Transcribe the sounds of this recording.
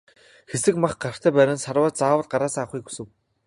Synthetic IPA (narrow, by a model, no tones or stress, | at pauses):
xesɘ̆kmaχɢar̥t̪ʰæːpæːɾʲɪ̆nsarwaːt͡ɕt͡saːwə̆ɮɢaɾaːsaŋaχujku̥sɘ̆w